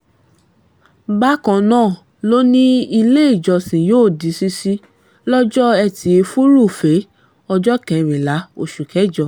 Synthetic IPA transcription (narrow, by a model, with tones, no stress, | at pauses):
ba˦kã˧nãː˦˨ | lo˦nĩ˦i˧le˦i˦˨d͡ʒɔ˧˨sĩ˨joː˦˨di˨˦si˧˦si˦ | lɔ˦d͡ʒɔ˦ɛ˧˨tʰi˨˧˦e˧fu˦ɾu˦˨fe˨˦ | ɔ˧d͡ʒɔ˦kɛ̃˨ɾ̃ĩ˨la˨˦o˧˨ʃu˨kɛ˨˦d͡ʒɔ˧˨